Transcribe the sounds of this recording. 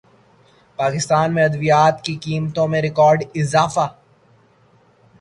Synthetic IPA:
paːkɪst̪aːnmẽɐd̪ʋijaːt̪kikiːmt̪õmẽɾɪkɔːɾɖɪzaːfa

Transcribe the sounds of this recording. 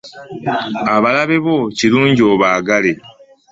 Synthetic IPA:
aβalaβe̞βo̞ciluːɲɟio̞βaːɡale̞

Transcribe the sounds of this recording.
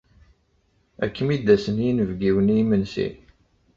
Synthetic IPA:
ækːəmid̪ːæsənjinəvɡiwənimənsḭ

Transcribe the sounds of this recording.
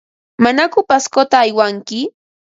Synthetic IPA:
manakʊpaskot̪aːjwaŋkɪ

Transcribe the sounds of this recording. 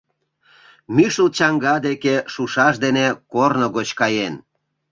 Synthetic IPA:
myʃəlt͡ɕɑŋɡɑd̪ekeʃuʃɑʃ̬d̪enekornoɣot͡ɕkɑjen

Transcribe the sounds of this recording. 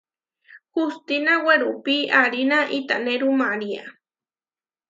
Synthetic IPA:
xust̪inaweɾupiaɾinaʔit̪aneɾumaɾia̰

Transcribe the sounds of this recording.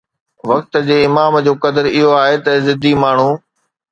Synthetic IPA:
ʋɐkt̪ə̆d͡ʑeːɪmaːmd͡ʑoːkɐd̪əɾɪɦoaːɦet̪ɐzɪd̪ʱimaːɳ̤ũː

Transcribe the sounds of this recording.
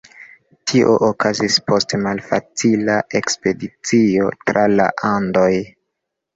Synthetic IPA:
tʰiʔoʔokʰazispo̞stemalfa̰t͡silaʔe̞kspe̞dit͡sio̞tɾʔala̰ʔando̞j

